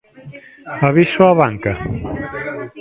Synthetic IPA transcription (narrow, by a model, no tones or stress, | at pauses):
aβisoaβaŋkɐ